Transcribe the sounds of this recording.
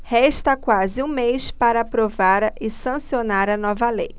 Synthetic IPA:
hɛʃt̪ɐkwazɪũmejspaɾɐaːpɾovaɾɪsɐ̃sionaɾɐnɔvɐlej

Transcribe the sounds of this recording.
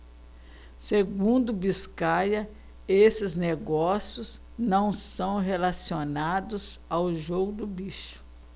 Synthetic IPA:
seɡũnd̪ʊbiskajɐ | esɪzneɡɔsjʊz | nɐ̃w̃sɐ̃w̃ɦelasionad̪ʊzawʒoɡʊd̪ʊbiʃʊ̥

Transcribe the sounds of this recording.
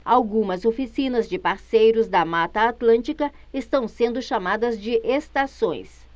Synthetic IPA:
awɡũmɐzofisĩnɐzd͡ʒɪpaɾsejɾʊzd̪ɐmat̪ɐːt̪lɐ̃nt͡ʃikɐ | est̪ɐ̃w̃sẽnd̪ʊʃamad̪ɐzd͡ʒɪʔest̪asõj̃s

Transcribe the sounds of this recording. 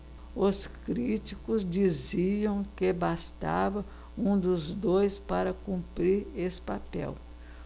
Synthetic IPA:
ʊskɾit͡ʃikʊzd͡ʒiziɐ̃w̃kebast̪a̰vɐ | ũd̪ʊzd̪ojspaɾɐkũpɾiɾesɪ̥papɛ̰w

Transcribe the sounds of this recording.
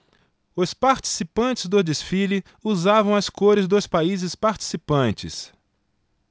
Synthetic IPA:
ʊspaɾt͡ʃi̥sipɐ̃nt͡ʃɪzd̪ʊd̪esfili | uzavɐ̃w̃ɐskoɾɪzd̪ospaizɪspaɾt͡ʃi̥sipɐ̃nt͡ʃɪ̰s

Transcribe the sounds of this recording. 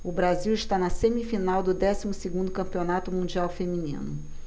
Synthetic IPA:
ʊbɾaziwiʃt̪anɐsẽmifinawd̪ʊd̪ɛsimʊseɡũnd̪ʊkɐ̃mpionat̪ʊmũd͡ʒiawfemĩnḭ̃nʊ

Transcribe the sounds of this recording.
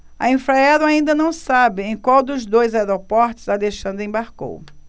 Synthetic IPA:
ɐ̰ẽfɾaɛlʊaĩnd̪ɐnɐ̃w̃sabɪẽj̃kwawd̪ʊzd̪ojzaɛɾopɔɾt̪ʊ̥zaleʃɐ̃nd̪ɾẽbaɾko̰w

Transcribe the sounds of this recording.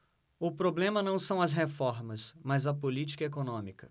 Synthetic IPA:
ʊpɾoblẽmɐnɐ̃w̃sɐ̃w̃ɐsɦefɔɾmɐsmɐzɐpolit͡ʃi̥kɐekonõmikɐ̥

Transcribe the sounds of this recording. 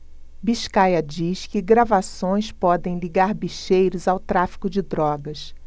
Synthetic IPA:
biʃkajɐd͡ʒiʃkɪɡɾavasõj̃spɔd̪ẽj̃liɡaɾbiʃejɾʊzawt̪ɾafi̥kʊd͡ʒɪd̪ɾɔɡɐs

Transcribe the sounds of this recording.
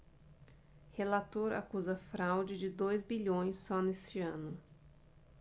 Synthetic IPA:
helat̪oɾa̰kuzɐfɾawd͡ʒɪd͡ʒɪd̪ojzbiʎõj̃sːɔnest͡ʃɪɐ̃nʊ

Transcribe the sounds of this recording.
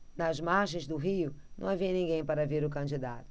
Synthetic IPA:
nɐzmaɾʒẽj̃zd̪ʊɦiʊnɐ̰̃w̃aviɐnĩɡẽj̃paɾɐveɾʊkɐ̃d͡ʒid̪at̪ʊ̥

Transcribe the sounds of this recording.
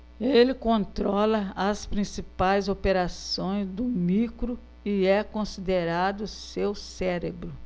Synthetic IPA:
elɪkõnt̪ɾɔlɐɐspɾĩsipajzopeɾasõj̃zd̪ʊmikɾʊ | ɪɛkõsid̪eɾad̪ʊsewsɛɾebɾʊ

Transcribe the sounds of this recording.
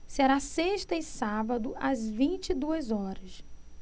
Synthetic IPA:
seɾaseʃt̪ɐɪsabɐd̪ʊʔɐzvĩnt͡ʃid̪uɐzɔɾɐs

